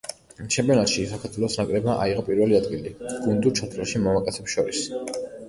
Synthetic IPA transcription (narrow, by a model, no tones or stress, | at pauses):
t͡ʃʰɛmpʼɛɔnat̪ʃisakʰaɾt̪ʰwɛlˠɔsnakʼɾɛbaʔaiʁɔpʼiɾvɛliad̪ɡiliɡ̥und̪ut͡ʃʰat̪ʰlɛʃimamakʼɛt̪sʰɛpsʃɔɾis